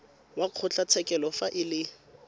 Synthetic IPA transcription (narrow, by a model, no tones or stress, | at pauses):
waq͡χʰʊt͡ɬʰat͡sʰɛkʼɛlɔfaʔɪlɪ